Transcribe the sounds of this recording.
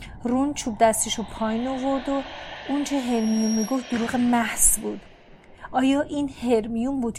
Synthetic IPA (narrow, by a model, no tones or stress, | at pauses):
runt͡ʃʰuːb̚d̪æst̪ʰiʃopʰɒːinovoɾd̪ount͡ʃʰeɦeɾmijunmiɡo̞ft̪̚d̪oɾuːɣemæhz̥buːd̪̥ | ʔɒːjɒːʔiːnhe̞ɾmijunbuːd̪̥̚